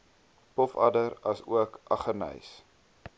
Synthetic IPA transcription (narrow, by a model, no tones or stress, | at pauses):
pɔfɐ̰dəɾɐsuəkʔɐχərnə̰js